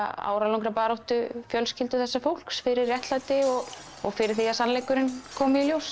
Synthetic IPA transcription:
a̰ːwɾalãwŋkɾapaːɾowht̪ʏfjœlscɪlt̪ʏθɛsːafowl̥ksfɪɾɪrːjɛht̪lat̪ɪɔɣ | ɔɣfɪɾɪɾ̥θiːasanlejkʏɾɪnkʰɔːmɪiljows

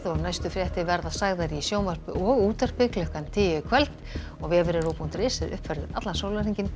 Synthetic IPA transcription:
ðɔɣnajst̪ʏfɾjɛht̪ɪvɛɾðasaɣðaɾisjoːwmar̥pʏʔɔɣuːt̪ar̥pɪklʏhkant̪ʰɪjɪkʰvɛlt̪ | ɔɣvɛːvʏɾɪɾopunt̪ɾɪːsɪðʏ̰hpfɛɾðɪʔat̪lansoːwlaɾiɲcɪn

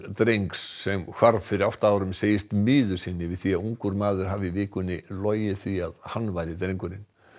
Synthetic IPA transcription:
t̪ɾejŋksːɛmkʰv̥aɾvfɪɾɪɾawht̪aaːwɾʏmseːjɪst̪mɪːðʏ̥sɪnːɪvɪðθiaðuŋkʏɾmaːðʏɾ̥ɦaːvɪvɪːkʏnːɪlɔːjjɪθiaðhanːvaːjɾɪt̪ɾejŋkʏɾɪn

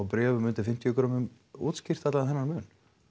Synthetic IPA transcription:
wpɾɛːvʏmʏnt̪ɪfɪm̥t̪ijʏkɾɔmʏm | uːt̪scɪr̥t̪at̪laðɛnːaɾmʏːn

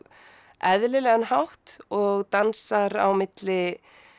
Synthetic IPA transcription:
ʔɛðlɪlɛːɣanhawht̪ɔɣt̪ansaɾa̰wmɪt̪lɪ

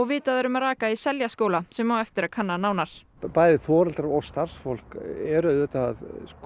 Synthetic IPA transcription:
ɔɣvɪːt̪aðœɾʏmaraːkaisɛljaskoːwlasɛmːaːwɛft̪ɪɾakʰanːanaːwnaɾ̥ | paːjðɪfɔːɾɛlt̪aɾɔɣst̪ar̥sfol̥kɛɾʏʏːt̪aað

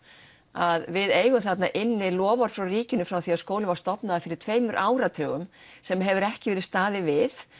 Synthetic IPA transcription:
aðvɪðeːjɣʏmθat̪naʔɪnːɪlɔːvaɾ̥fɾawriːcɪnʏfɾawθiaðskoːwlɪvaɾst̪ɔpnaðafɪɾɪɾ̥t̪ʰveːjmʏɾʔaːwɾat̪ʰœːɣʏmsɛmɦɛvʏɾɛhcɪvɛːɾɪ̥st̪aːðɪvɪθ

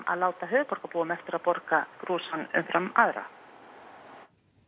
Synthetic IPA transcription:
ma̰ðlaːwt̪aɦʏːðɾpɔɾkapoːʏmɛft̪ʏɾaðpɔɾkakɾuːsanʏ̰mfɾamaðɾa̰

